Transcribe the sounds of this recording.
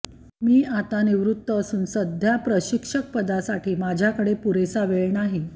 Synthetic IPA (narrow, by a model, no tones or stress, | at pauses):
miːat̪aniʋɾut̪ːəːsuːnsəd̪ʱjapɾəɕikʂək̚pəd̪asaʈʰiːmad͡ʑʱjakəɽepuɾesaʋeɭnaɦi